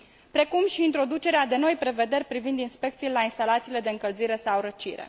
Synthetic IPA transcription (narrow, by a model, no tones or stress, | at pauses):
pɾe̞kumʃiːnt̪ɾo̞d̪ut͡ʃe̞ɾead̪e̞no̞jpɾe̞ve̞d̪e̞rʲpɾivind̪inspe̞kt̪silelainst̪alat̪siːle̞d̪e̞ɨŋkəlziɾe̞sawɾət͡ʃiɾe̞̰